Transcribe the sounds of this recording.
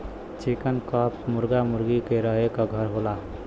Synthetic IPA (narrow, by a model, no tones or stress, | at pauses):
t͡ʃikənkapmʊɾɡamʊɾɡikeɾəɦekaɡʱəɾɦola